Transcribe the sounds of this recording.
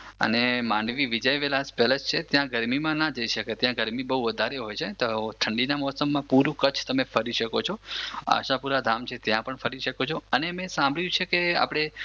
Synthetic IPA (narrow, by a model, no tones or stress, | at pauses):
ə̰nemãɳɖʋiʋid͡ʒəjʋelaspɛləd͡ʒt͡ʃʰet̪jãɡəɾmimãnad͡ʒəiʃəket̪jãɡəɾmibəɦuʋəd̪ʱaɾeɦojt͡ʃʰet̪ot̪ʰəɳɖinamɔsəmːãpuɾũkət͡ʃʰt̪əmefəɾiʃəkot͡ʃʰoa̰ʃapuɾad̪ʱamt͡ʃʰet̪jãpəɳfəɾiʃəkot͡ʃʰoənemẽsãmbʱɭjũt͡ʃʰekea̰pɽ̃e